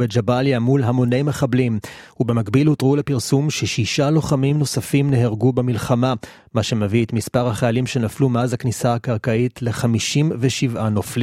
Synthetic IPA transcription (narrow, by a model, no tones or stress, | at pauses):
bed͡ʒabaljamulɦamo̞nejmeχablimubemakbilutʁulepiʁsumʃeʃiʃalo̞χamimno̞safimne̞ɦeʁɡubemilχama | maʃe̞meviet̪mispaʁhaχaalimʃe̞naflumeazhaknisaakaʁkaitle̞χamiʃimveʃivʔanofli